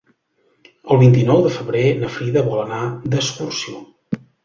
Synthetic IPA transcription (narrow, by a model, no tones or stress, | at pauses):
əlˠβint̪inɔwðəfəβɾenəfɾiðəβɔlənad̪əskursio